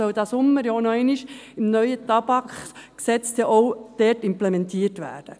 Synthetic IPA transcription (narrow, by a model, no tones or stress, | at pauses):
œwd̥̪ɑːsʊmːəɾjɔnɔɛɪniʃɪmnœʏətɑb̥ɑkχksɛt͡stjɑʔowd̥ɛːrtɪmplemɛntiːərtʋæ̰ːɾd̥ə